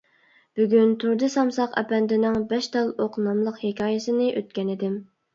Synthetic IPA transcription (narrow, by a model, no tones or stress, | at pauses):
b̥yɡʲynt̪ʰuɾd̪ɨsɑmsɑqɛ̰pɛnd̪ɪnɪŋbɛʃt̪ɑlˠoqnɑmlˠəqhekʲʰɑːjɪsɨnɪʔøt̪̚kʲɛnɪd̪ɪm